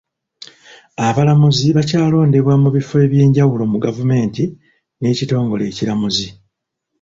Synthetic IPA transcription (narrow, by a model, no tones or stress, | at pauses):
aβalamuziβacaːlo̞ːnde̞βwamuβifoe̞ːβje̞ːɲɟawulo̞muɡavume̞ːnti | ne̞ːcito̞ːŋɡo̞̰le̞ːcilamuzi